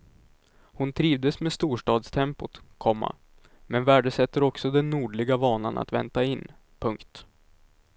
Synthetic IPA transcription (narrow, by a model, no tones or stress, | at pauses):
hʊnt̪ʰɾiːvd̪əsmeːst̪uːʂʈɑːd̪st̪ʰɛmpʊt̪kʰɔmːa̰ | mɛnvæːɖəsɛt̪ːəɾɔksɔd̪ɛnːuːɖɭɪɡavɑːna̰na̰t̪vɛ̰nt̪aɪnː | pʰɵŋkt̪